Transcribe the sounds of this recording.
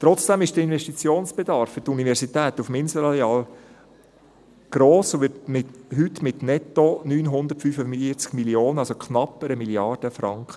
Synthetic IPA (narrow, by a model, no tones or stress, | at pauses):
t̪ɾɔt͡sd̥ɛmɪʃd̥əɪnvɛʃtit͡sjoːnsb̥ed̪ɑɾfːʏtunivɛɾsit̪ɛːt̪ufmɪnsəɾɑleɑːl | ɡ̥ɾoːsʋɪtmɪtɦytmɪtnɛtːonyːnɦʊnd̪əɾtfyfəiət͡skmilioːnəɑlsokχnɑpːəɾəmiliɑrd̥əfɾɑŋkχə